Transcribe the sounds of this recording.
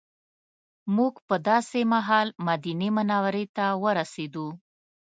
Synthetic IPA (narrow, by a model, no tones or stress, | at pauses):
muɡpəd̪ɑsemaɦɑlmad̪inemʊnɑwɾet̪awəɾased̪u